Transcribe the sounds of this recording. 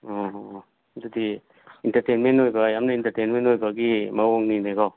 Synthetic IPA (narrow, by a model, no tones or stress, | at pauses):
ɔɦ | dudi | intɐɾtejnmentojbajamnɐintɐɾtejnmentojbaɡimawoŋninaɡɔ